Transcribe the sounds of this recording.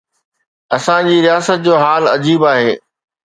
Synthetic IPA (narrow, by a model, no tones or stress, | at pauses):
ɐsãd͡ʑiːɾijaːsət̪̚d͡ʑoːɦaːlɐd͡ʑiːbaːɦeː